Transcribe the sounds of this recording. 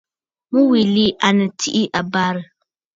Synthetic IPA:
mu˦wi˨li˦ʔa˨nɨ˨tʰi˦ʔi˦ʔa˨ba˦ɾɨ˨

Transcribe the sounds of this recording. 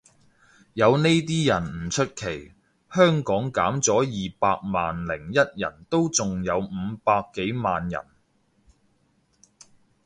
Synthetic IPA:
jɐ˨˧wne˥jt̪̬iː˥jɐ˨˩nm̩˨˩t͡ʃʰɵ˥t̚kʰe˨˩j | hœː˥ŋkɔː˨˥ŋkaː˨˥mt͡sɔː˨˥jiː˨paː˧k̚maː˨nlɪ˨˩ŋjɐ˥t̚jɐ̰˨˩nt̪o˥wt͡sʊ˨ŋjɐ˨˧wm̩ː˨˧paː˧kːe˨˥jmaː˨njɐ̰˨˩n

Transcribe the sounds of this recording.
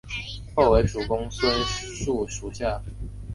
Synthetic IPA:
xo˥˩ʊwe˧˥ɪʂu˨˩kʊ˥ŋswə˥ | ʂu˥˩ʂu˨˩ɕja˥˩

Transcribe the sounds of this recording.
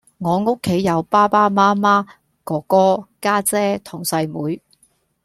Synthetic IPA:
ŋɔː˨˧ŋo˥kʰːe˨˥jːɐ˨˧wpaː˥paː˥maː˥maː˥ | kɔː˨˩kɔː˥kaː˥t͡sɛː˥t̪ʰʊ˨˩ŋsɐ˧jmuː˨˥j

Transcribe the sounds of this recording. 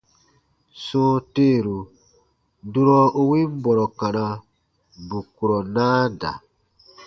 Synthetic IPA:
sɔ̃ː˦teː˦˨ɾu˨ | du˦ɾɔ̃˦u˦wĩ˦m˦bɔ˨ɾɔ˨kã˨nã˨ | bu˨ku˨ɾɔ˨nãː˦da̰˨

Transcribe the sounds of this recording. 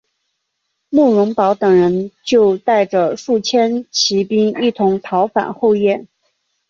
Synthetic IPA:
mu˥˩ɻʊ˧˥ŋpɑ˧˥ʊt̪ɤ˨˩ŋɻə˧˥nt͡ɕjo˥˧ʊt̪a˥˩ɪʈ͡ʂə˩ʂu˥˩t͡ɕʰjɛ˥nt͡ɕʰi˧˥pi˥ŋi˥˩t̪ʰʊ˧˥ŋt̪ʰɑ˧˥ʊfa̰˨˩nxo˥˧ʊjɛ˥˩n

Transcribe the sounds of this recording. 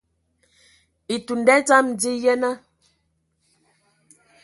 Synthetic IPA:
i˨tu˨ndɛ˦t͡sa˦mdi˦jɛ˦na˦

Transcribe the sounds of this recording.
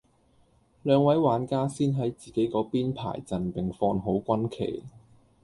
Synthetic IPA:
lœː˨˧ŋwɐ˨˥jwaː˨˥nkaː˥siː˥nɦɐ˨˥jt͡siː˨ke˨˥jkɔː˨˥piː˥npʰa̰ː˨˩jt͡sɐ˨npɪ˨˩ŋfɔː˧nɦo˨˥wkʷɐ˥nkʰḛ˨˩j

